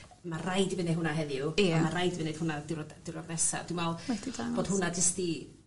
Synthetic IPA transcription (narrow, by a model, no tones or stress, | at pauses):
marajdivɪneɦʊnaɦɛðjʊɔmarajdivɪned̥hʊnadɪrd̥ɪɾɔɡnɛsa̰d̥umvɛlˠɛdi̥aboːd̥hʊnad͡ʒəsti